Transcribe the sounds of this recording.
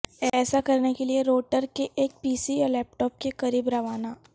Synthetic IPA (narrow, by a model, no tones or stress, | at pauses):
ɛːsakɐɾnekelieɾoːʈəɾkeʔeːk̚piːsijalɛːp̚ʈɔːp̚kekɐɾiːbɾɐʋaːnaː